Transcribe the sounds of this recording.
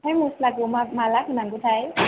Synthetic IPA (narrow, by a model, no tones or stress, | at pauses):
ajmuslakumamaːlak̚ʰunaŋkut͡ɕʰaj